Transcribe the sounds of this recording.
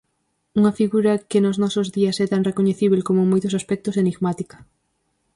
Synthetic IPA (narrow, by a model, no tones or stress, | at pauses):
uŋɐfiɣuɾɐkɪnʊznɔsozðiɐsɛt̪aŋrekoɲeθiβ̞elkomomojt̪ʊsaspɛk̚t̪ʊseniɣmat̪ikɐ̥